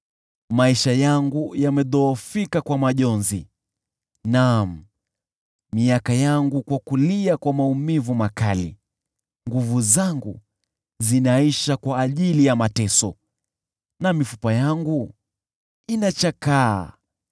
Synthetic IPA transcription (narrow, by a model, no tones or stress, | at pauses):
maiʃajaŋɡujamɛðɔːfikakwamaʄɔnzḭ | nam̩ | miakajaŋɡukwakuliakwamaumivumakalḭ | ŋɡuvuzaŋɡu | zinaiʃakwaːʄilijamatɛsɔ | namifu̥pajaŋɡu | inat͡ʃakaː